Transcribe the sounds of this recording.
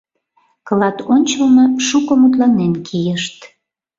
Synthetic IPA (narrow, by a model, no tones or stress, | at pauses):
kəlɑt̪onʲt͡ɕəlmɤʃukomut̪̬lɑnenkʰijəʃt̪